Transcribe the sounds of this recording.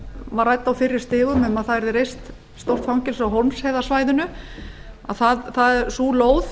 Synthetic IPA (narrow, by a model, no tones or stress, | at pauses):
varajt̪ːawfɪrːɪ̥st̪ɪːɣʏmɛmaðθaðɛɾðɪɾejst̪ | st̪owr̥t̪fawŋcɪlsawɦɔmshɛːðasvajðʏnʏ | a̰ðθaðθaðɛɾsuːloːwð